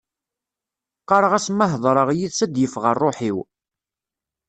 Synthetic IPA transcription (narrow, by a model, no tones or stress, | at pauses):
qːɑɾˤəʁæsməɦðˤɾˤəʁjiðsæd̪jəfʁərˤːoħiw